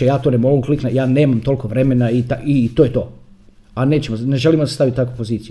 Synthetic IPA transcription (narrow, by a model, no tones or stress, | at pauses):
ejaːt̪onemooŋkliknajaːne̞ːmamt̪o̞lkoʋɾe̞me̞nait̪ait̪ojet̪o̞̰ː | aneːt͡ɕemone̞ʒe̞limoast̪aʋit̪akupo̞ziːt̪siju